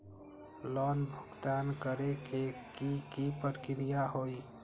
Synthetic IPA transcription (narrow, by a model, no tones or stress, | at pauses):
lɔnbʱuɡt̪ankəɾekekikipəɾkɾijaɦoj